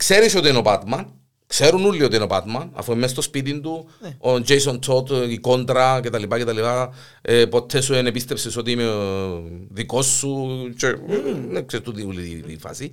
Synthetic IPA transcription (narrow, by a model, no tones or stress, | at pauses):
kseɾisot̪ienobat̪mɐn | kseɾunulːiot̪ienobat̪mɐnɐ̰fuemːes̬t̪ospit̪̬ind̪uod͡ʒejsont̪ʰot̪ikont̪ɾɐcet̪alipacet̪alipa | epo̞t̪ʰːesuenepist̪efsesot̪iime | ðiko̞sːut͡ʃenekset̪uðiuliðḭfɐ̰si